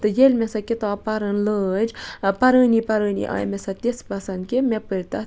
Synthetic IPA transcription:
t̪ɨjelʲmesɐkit̪apɐɾənləːd͡ʒpɐɾəːnipɐɾəːnḭʔa̰ːjmesɐ̃t̪ʲespɐsɐnkemepəɾʲt̪ɐ

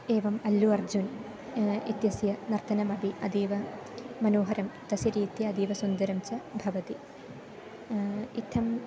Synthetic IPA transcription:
eːʋɐmɐlːuɐrd͡ʑun | ḭt̪jɐsjɐnɐrt̪ʰɐnɐmɐbʱiɐd̪iːʋɐmɐnoːɦɐɾɐmt̪ɐsɐɾiːt̪jɐɐd̪iːʋɐsund̪ɐɾɐmt͡ɕɐbʱɐʋɐt̪i | it̪ʰːɐm

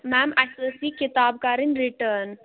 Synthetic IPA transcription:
mɛmajsoːsiːkit̪aːb̚kaɾinɾiʈən

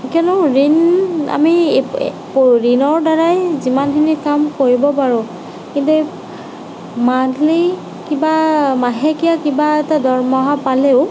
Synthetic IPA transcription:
kiɔnʊɹina̰mi | pɹinɔɹdaɹajzimankʰinikamkoɹibɔpaɹʊ | kintu | madʱli | kibamaɦekijakibaɛtadɔɹmɔɦapaleʊ

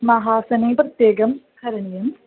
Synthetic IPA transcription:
mɐɦaːsɐneːpɾɐt̪jeːɡɐmkʰɐɾɐɳijɐm

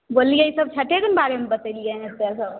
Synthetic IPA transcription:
bolːiəjsəb̚t͡ʃʰəʈekənbaɾemebət̪əɪlijənet̪asəb

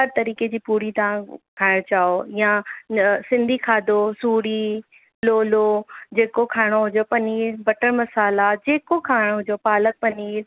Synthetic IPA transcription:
ɦɐɾt̪ɐɾiːked͡ʑiːpuːɾit̪aãkʰaːɪɽ̃t͡ɕaːoɪjã | sɪ̃nd̪ʱikʰaːd̪osuːɽi | loːlod͡ʑeːkokʰaːɪɽ̃oɦʊd͡ʑopɐniːlbɐʈənmɐsaːlad͡ʑeːkokʰaːɪɽ̃oɦʊd͡ʑopaːlək̚pɐniːl

